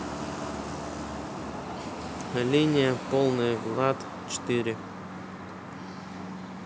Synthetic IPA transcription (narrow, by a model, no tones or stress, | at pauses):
lʲinʲɪjəpolˠnɨjɡlˠat̪ | t͡ɕɪ̥t̪iɾʲɪ